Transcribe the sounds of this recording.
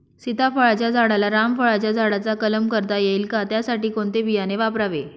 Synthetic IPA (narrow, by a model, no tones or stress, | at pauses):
sit̪afəɭat͡ɕjad͡zʱaɽalaɾamfəɭat͡ɕjad͡zʱaɽat͡sakələmkəɾt̪ajelkat̪jasaʈiːkoɳt̪ebijaneʋapɾaʋe